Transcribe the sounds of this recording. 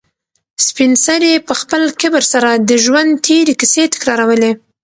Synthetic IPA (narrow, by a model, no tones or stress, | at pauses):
spɪnsaɾepəxpəlkɪbəɾsaɾad̪əʒwand̪t̪ʰeɾekiset̪ɪ̥kɾɑɾawəle